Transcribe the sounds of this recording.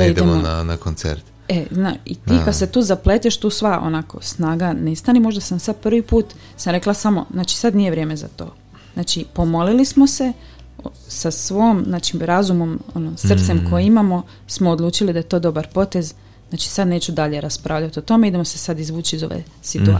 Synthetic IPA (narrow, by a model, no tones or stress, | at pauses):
id̪eemoona̰nakont̪sḛɾt̪ | ezna̰ːḭt̪ikad̪se̞t̪uːzaplet̪eʃt̪uːsʋaʔo̰nako̞̰snaːɡanest̪animo̞ʒd̪asamsad̪̚pr̩ʋipuːt̪ | samɾe̞klˠasamo̞̰znaːt͡ʃi̥sad̪nije̞ʋɾjeme̞za̰t̪o̞̰ː | znat͡ʃipo̞mo̞lilismo̞se̞ | sasʋo̞mznaːt͡ʃimɾazumo̞mo̰nosr̩t̪se̞mkojeimamo̞ | smo̞ːd̪lˠuːt͡ʃilid̪ajet̪o̞ːd̪o̞baɾpo̞t̪e̞z | naːt͡ʃi̥sad̪ne̞ːt͡ʃud̪aʎe̞ɾaspɾʔaːʋʎat̪iot̪o̞meid̪e̞mo̞se̞sad̪izʋuːt͡ʃiizo̞̰ʋḛ | sit̪ua̰